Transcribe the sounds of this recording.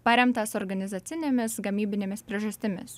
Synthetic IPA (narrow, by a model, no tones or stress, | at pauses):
pɐɾʲɛmt̪ɐsɔɾɡɐnʲɪzɐːt̪sʲɪnʲemʲɪsɡɐmʲiːbʲɪnʲeːmʲɪspʲɾʲiɛʒɐsʲt̪ʲɪmʲɪ̰s